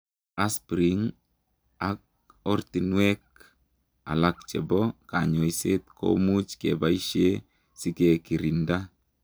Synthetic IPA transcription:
a˦spɾiŋ | ak̚ | ɔrt̪inwɛ˦k̚ | a̰˨lak̚t͡ʃɛ˨bɔ˦kaɲo˨jse˦t̪̚kʰo̰mu˦t͡ʃkḛba˦iʃe˦ | si˦ke˨ki˨ɾi˨nda

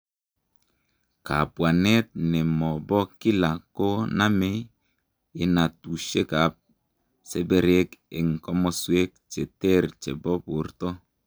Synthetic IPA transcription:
ka˨pwa˨ne˦t̚nɛ˨mɔ˨bɔ˦ki˦la˨ko˦na˦me˦ | i˦na˨tu˨ʃe˦ka˨p̚ | se˦be˦ɾe˦ke˨ŋ˨kɔ˦mɔ˦swe˦k̚t͡ʃe˨te˦ɾt͡ʃḛ˨bɔ˦po˨ɾtɔ˦

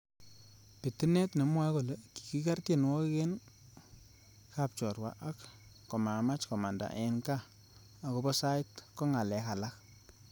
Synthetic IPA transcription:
pɪ˨tɪ˦nɛ˦tne˨mwa˦ko˨le˨ki̥˨ki˦ka˦rtje˦˨nwɔ˦ke˦n | ka˨p̚t͡ʃɔ˨rwa̰˨ʔa˦kː | ɔ˨ma˨ma˦t͡ʃkɔ˨ma˨nda̰˨ʔɛ˨ŋkaː˦˨ | ko˦bɔ˦sa˦ɪ˦tkɔ˦ŋa˨lɛ˨ka˨la˦k̚

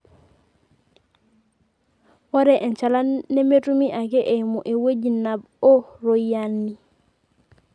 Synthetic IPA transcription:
wɔ˦ɾɛ˨ʔe˨nt͡ʃa˨la˦nːe˦me˦tu˦mi˦ʔa˨ke˦ʔe˨i˨mu˨ʔe˨we˦d͡ʒi˨nːa˨b | o˦ɾo˨janːi˨

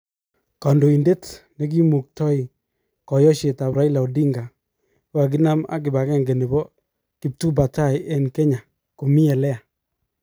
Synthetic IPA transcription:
kɔ˨ndo˨i˨nde˦tnɛ˨˦k̬i˦mu˨k̚tɔ˦i˨ | kɔ˨jɔ˦ʃe˨ta˨pɾa˦i˦la˨u˨di˦ŋɡa˨˦ | a˨k̬i˦na˦ma̰˨k̬ɪ˨ba˨kɛ˦˨ŋɡɛ˨ne˨bɔ˦ | ki˨p̚tu˦ba˨ta˦jʔɛ˦nkɛ˦ɲa˨ | ko˨mi˦ɛ˨lɛ˦a˨

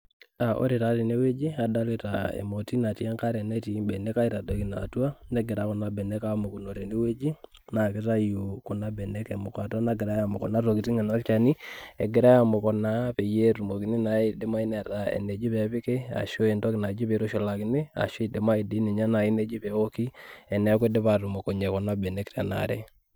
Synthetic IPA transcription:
a˨ʔo̰˦ɾe˨ta˨ɾe˨ne˦we˦d͡ʒi˦a˨da˦lɪ˦ta̰˨ɛ̰˨mo˨ti˦na˨ti˦a˦ŋka˦ɾɛ˨nɛ˦ti˨bɛ˨nɛ˦ka˦i˦ta˨da˨ki˨na̰˨tu˦a˦nɛ˦ɡɪ˨ɾa˨kɔ˨na˨bɛ˨nɛ˦ka˦mo˨ku˨no˨ɾe˨ne˦we˦d͡ʒi˦ | na˨kɪ˦ta˦ju˨ku˨na˦bɛ˨nɛ˦kɛ˨mʊ˨ka˨ta˦na˦ɡɪ˨ɾa˦ja˨mʊ˨kɔ˨na˦ɾo˨ki˨ti˦ŋɛ˨nɔ˦lt͡ʃa˨ni˦ɛ˨ɡɪ˨ɾa˦ja˨mo˨kɔ˨na˦pe˨je˦ɾu˨mo˨kɪ˨nɪ˦na˨i˦de˦ma˦i˦nɛ˨ta˨ɛ̰˨ne˨d͡ʒi˦pɛ˨pɪ˦ke˦a̰˨ʃo˦e˨ndɔ˦kna˨˦d͡ʒi˦pe˨ɾo˦ʃo˨la˨kɪ˨˦ne˦a̰˨ʃo˦˨de˨ma˦i˨di˨˦ne˨ɲa˦na˨i˦ne˨d͡ʒi˦pɛ˨o˦ki˦ɛ˨nɛ˨˦ke˦de˦pa˨ɾu˨mo˨ko˨ɲɛ˨kɔ˨na˦bɛ˨nɛ˦ktɛ˨na̰˨ɾɛ̰˦

